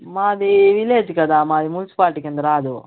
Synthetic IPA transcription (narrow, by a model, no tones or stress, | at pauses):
maːd̪iʋileːd͡ʒikɐd̪aːmaːd̪imunsi̥paːlʈikend̪ɐɾaːd̪u